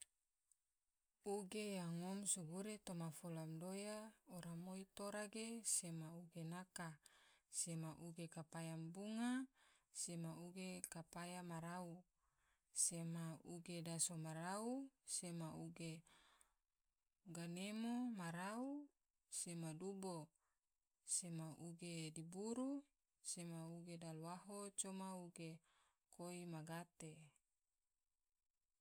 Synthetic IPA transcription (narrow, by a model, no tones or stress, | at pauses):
uɡejaŋomsuɡuɾet̪omafolamdojaoɾamoit̪oɾaɡesemauɡenakasemaʔuɡekapajambuŋasemauɡekapajamaɾau | semauɡedasomaɾausemauɡe | ɡanemomaɾau | semadubo | semaʔuɡedibuɾu | semauɡedaluwaɦot͡ʃomauɡe | koimaɡat̪e